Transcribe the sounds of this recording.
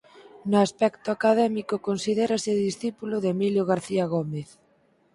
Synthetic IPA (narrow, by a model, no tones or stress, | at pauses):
nʊaspɛkt̪ʊakaðɛmikʊkonsiðɛɾasɪeðisθipulʊðemiljoɣ̞aɾθiaɣ̞omeθ